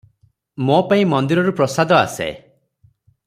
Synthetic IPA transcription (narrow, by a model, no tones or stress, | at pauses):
mopaĩmɔnd̪iɾɔɾupɾɔsad̪ɔa̰sḛ